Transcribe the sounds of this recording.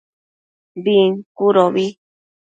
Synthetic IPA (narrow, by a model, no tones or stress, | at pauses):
biŋkuɾoβi